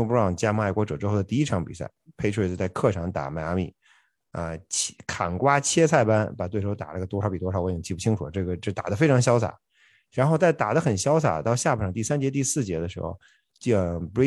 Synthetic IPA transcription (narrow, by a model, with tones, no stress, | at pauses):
pu˧ɻɑ˥˩ŋt͡ɕja˥ma˥˩ɪkwɔ˧˥ʈ͡ʂɤ˨˩ʊʈ͡ʂɻ̩˥xo˥˩ʊə˩t̪i˥˩i˥ʈ͡ʂʰɑ˧˥ŋpḭ˨˩sa̰˥˩ɪpʰe˥ɪʈ͡ʂʰwt͡sə˧t͡sa˥˧ɪkʰɤ˥˩ʈ͡ʂʰɑ˧˥ŋt̪a̰˨˩ma˧˩˧mḭ˧˥˩ | ə̰˧t͡ɕʰkʰa̰˨˩nkwa˥t͡ɕʰjɛ˥t͡sʰa˥˩ɪpa˥npa˨˩t̪we˥˩ɻ̩˧˥˧t̪a˨˩na˥˩ɡə˩t̪wɔ˥ʂɑ˨˥ʊpi˨˩t̪wɔ˥ʂɑ˨˥ʊ˧˥˩t͡ɕʰi˥˩pu˥˩t͡ɕʰi˥ŋʈ͡ʂʰu˨˩˦ʈ͡ʂɤ˥˩ɡə˩ʈ͡ʂɤ˥˩t̪a̰˨˩d̪ə˦fe˥ɪʈ͡ʂʰɑ˧˥ŋɕjɑ˥ʊsʰa̰˨˩˦ | ɻa˧˥nxo˥˧ʊt͡sa˥˩ɪt̪a̰˨˩d̪ə˦xə˨˩nɕjɑ˥ʊsʰa̰˨˩t̪ɑ˥˧ʊɕja˥˩˨ɑ˨˥ŋt̪i˥˩sa˥nt͡ɕjɛ˧˥t̪̬i˥˧sɹ̩˥˩t͡ɕjɛ˧˥d̪ə˧ʂɻ̩˧˥xo̰˧˩ʊ | ə˧˥